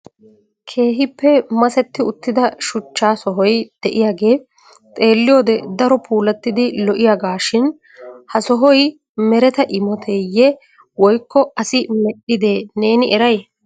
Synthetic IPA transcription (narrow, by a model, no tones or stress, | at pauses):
kʰe̞ːɦɪpːɛmɐsɛt̪ːɪʊt̪ːɪd̪ɐʃʊt͡ʃːaːsɔɦɔjd̪̥ɛʔɪjaːɡe̞ː | t̪ʼe̞ːlːɪjo̞ːd̪ɛd̪ɐɾɔpʰuːlɐt̪ːɪd̪ɪlɔʔɪjaːɡaːʃɪn | hɐsɔɦɔj | mɛɾɛt̪ɐʔɪmɔt̪ʰɛjːɛ | wɔjkːɔɐsɪmɛɗɪd̪e̞ːne̞ːnɪɛɾɐj